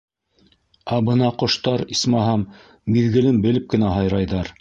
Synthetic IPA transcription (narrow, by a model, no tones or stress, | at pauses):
æbɤnɑqŏʃt̪ɑɾismɑɦɑmː | iðɡɘ̆lɘmbɘ̆lɘp̚kɘ̆næɦɑjɾɑjðɑɾ